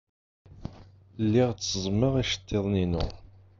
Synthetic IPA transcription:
lːiʁt͡sːəzˤməʁiʃə̥t̪ʰːeðˤninʊ̰

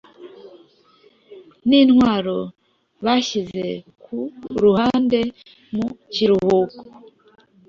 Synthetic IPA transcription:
niːnhwaːɾo̞ | βaʃize̞ | kʰuɾuhaːnde̞ | muciɾuhuːko

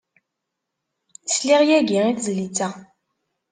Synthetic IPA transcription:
sliʁjæɡiiθzlit͡sæ

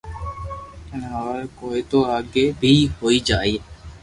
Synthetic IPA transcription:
ɪnɦaːɾkoːiːt̪oːaːɡeːbʱiːɦoːiːd͡ʒaːiː

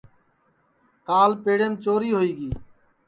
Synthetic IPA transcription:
kaːlpeːɽeːmt͡ʃoːɾiːɦoːiːɡiː

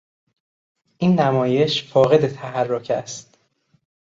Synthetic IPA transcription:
ʔiːnːæmɒːje̞ʃfɒːɣe̞d̪e̞t̪ʰæɦærːocʰæst̪

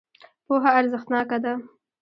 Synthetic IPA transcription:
poɦaːɾzəxt̪nɑkad̪a

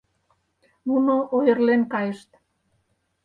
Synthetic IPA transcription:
nunoʔojə̆rlenkɑjə̆ʃt̪

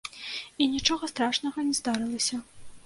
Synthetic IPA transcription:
inʲit͡ʂɔɣɐst̪ɾaʂnɐɣɐnʲɛzd̪aɾɨlˠɐsʲɐ

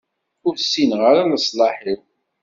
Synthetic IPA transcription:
ʊɾsːinʁəɾaləsˤlɑħiw

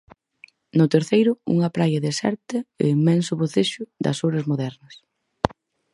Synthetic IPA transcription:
nʊt̪eɾθejɾʊṵŋɐpɾajɐðesɛ̰ɾt̪ɪḛimːɛnsʊβoθeʃʊd̪ɐ̰soɾɐzmoðɛɾnɐs

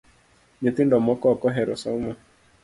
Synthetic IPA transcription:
ɲet̪indɔmɔkɔɔkɔɦɛɾɔsaumɔ

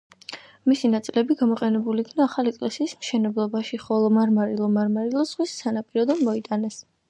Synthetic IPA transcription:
misinat̪sʼilɛbiɡamɔqʼɛnɛbuliːkʰnaːχalikʼlɛsiːsmʃɛnɛblˠɔbaʃiχɔlˠɔmaɾmaɾilˠɔmaɾmaɾilˠɔz̥ʁwisːanapʼiɾɔd̪ɔnmɔit̪ʼanɛs

